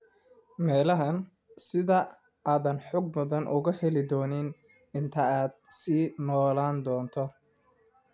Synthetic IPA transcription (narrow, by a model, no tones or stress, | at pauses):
mɛːlɐɦɐn | sɪðɐ | aːðɐnħɔɡ̚mʊðɐnʔʊ̰ɣɐhɛlɪd̪ɔːnɪn | ɪnt̪ʰɐaːd̪̚siːnɔːlaːnd̪ɔːnt̪ʰɔ